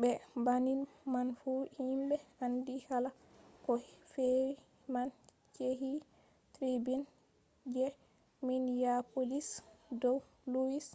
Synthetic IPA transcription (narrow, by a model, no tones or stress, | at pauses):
bɛbaninmanfuhimbɛandihala | kɔfeɾi | man | t͡ʃeɦi | tɾibin | d͡ʒɛ | minjapolisdɔw | luwis